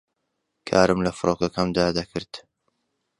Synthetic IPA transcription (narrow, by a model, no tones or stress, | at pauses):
kʰaːɾɨmlɐfɨɾʔoːkɐkʰaːnd̪aːd̪ɐkʰɨɾd̪̥